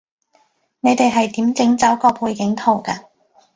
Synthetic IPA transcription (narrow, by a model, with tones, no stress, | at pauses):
ne˨˧jt̪e˨jɦɐ˨jt̪iː˨˥mt͡sɪ˨˥ŋt͡sɐ˨˥wkɔː˧pʰuː˧jkɪ˨˥ŋt̪ʰo˨˩wkaː˧